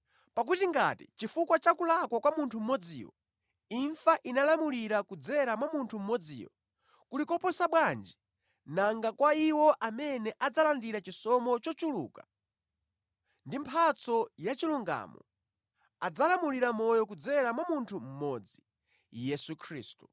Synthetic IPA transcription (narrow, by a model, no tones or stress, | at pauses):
pak̬utiŋɡa̰tḭt͡ʃifukwat͡ʃakulakwakwamuntʰum̩mɔd͡zḭːwɔ̰ | iɱfaʔinalamuliɾakud͡zɛɾamwamuntʰum̩mɔd͡zḭːwɔ̰ | kulikɔpɔsaɓwand͡ʒi | naŋɡakwaiwɔʔamɛnɛʔad͡zalandiɾat͡ʃisɔmɔt͡ʃɔt͡ʃulṵːkḁ | ndimpʰat͡sɔjat͡ʃiluŋɡa̰mɔ̰ | ad͡zalamuliɾamɔjɔkud͡zɛɾamwamuntʰum̩mɔd͡zi | jɛsukʰɾḭːstu̥